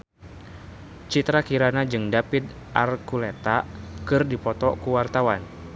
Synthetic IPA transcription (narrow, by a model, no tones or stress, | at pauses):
t͡ʃit̪ɾakiɾanad͡ʒɨŋdapid̪ | ʔarkulɛt̪akɨrdipɔt̪ɔkuwart̪awan